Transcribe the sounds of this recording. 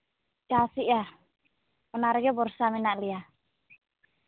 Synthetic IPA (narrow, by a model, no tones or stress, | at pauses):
kasiʔja | ɔnaɾjɔbɔrsaminaʔlia